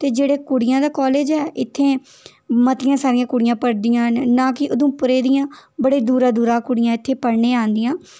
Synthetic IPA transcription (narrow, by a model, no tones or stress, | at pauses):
t̪eːd͡ʒeːɽeːkʊɽɪjãːd̪aːkɔːleːd͡ʒɛːʔɪt̪ʰːeː | mət̪ɪjãːsaːɾɪjãːkʊɽɪjãːpəɽd̪ɪjãːnãːkɪʔʊd̪õːpʊɾeːd̪ɪjãːbəɽeːd̪uːɾãːd̪uːɾãːkʊɽɪjãːɪt̪ʰːeːpəɽɳeːaːnd̪ɪjãː